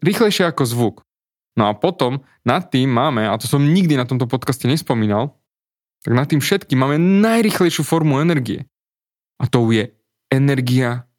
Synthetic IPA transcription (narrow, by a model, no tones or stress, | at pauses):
ɾixlɛjʃɪɛakɔzʋuk | nɔapɔt̪ɔm | nat̪ːiːmːaːmɛat̪ɔsɔmɲiɡd̪inat̪ɔmt̪̬ɔpɔt̪kascɛɲɛspɔmiːnal | t̪aɡnat̪ːiːmfʃɛt̪kimːaːmɛnajɾixlɛjʃuːfɔɾmuɛnɛɾɡiɛ̰ | ʔat̪ɔujɛ | ɛnɛɾɡia